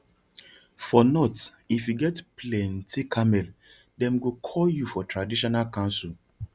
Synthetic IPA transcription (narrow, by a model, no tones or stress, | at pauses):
fɔnɔt | ifjuɡɛtplɛ̃ntʰikʰamɛl | dɛ̃mɡukʰɔljufɔtʰɹadiʃɔnalkãnsɔl